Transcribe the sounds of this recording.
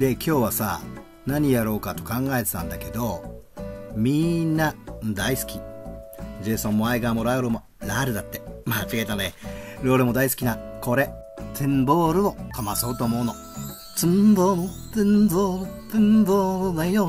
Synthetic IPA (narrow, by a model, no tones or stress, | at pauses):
d̪e̞kʲo̞ːβasa̰ | naɲ̟ijaɾo̞ːkat̪o̞kãŋɡae̞t̪e̞t̪ã̰nd̪ake̞d̪o̞ | mʲĩnːad̪aisɨ̥kʲi | d͡ʑeːsõmːoaiɡaːmoɾajoɾɯmo | ɾaɾɯ̟d̪at̪ːe̞maːfiet̪aneɾoːɾɯmo̞d̪aisɨ̥kʲinako̞ɾe̞ | t̪ʰẽmbo̞ːɾɯ̟o̞kamaso̞ːt̪o̞ːmo̞ɯ̟no̞ | t͡sɨ̃mbomot̪ẽmboːɾɯt̪ẽmboːɾɯɡaino